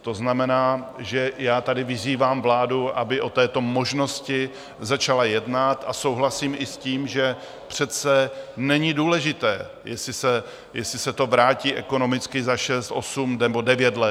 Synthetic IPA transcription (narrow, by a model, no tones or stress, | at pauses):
t̪o̞znamɛnaːʒɛjaːt̪adɪvɪziːvaːmvlaːduʔabɪʔo̞t̪ɛːt̪o̞moʒno̞scɪ | zat͡ʃalajɛdnat̪aso̞wɦlasiːmʔɪsciːmʒɛ | pr̝̥ɛt̪t͡sɛnɛɲɪduːlɛʒɪt̪ɛː | jɛsɪsɛ | jɛsɪsɛt̪o̞vɾaːciːʔɛko̞no̞mɪt͡skɪzaʃɛst̪ʔo̞sumɛbo̞dɛvjɛt̪lɛ